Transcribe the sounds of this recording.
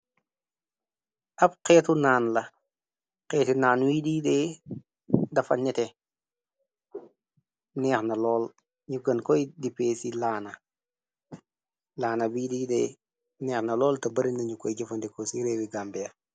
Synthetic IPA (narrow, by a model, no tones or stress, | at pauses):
ʔɐpqɛːtunaːnlɐ | qɛːtinaːnwiːdiːdɛ | dɐfɐɲɛtɛ | nɛːxnɐlɔːl | ɲuɡɐnkɔjdipeːsilaːnɐ | laːnɐbididɛ | nɛːxnɐlɔːltɐbɐɾinnɐɲukɔjɟɐfɐndikosiɾewiɡaːmbɛjɐ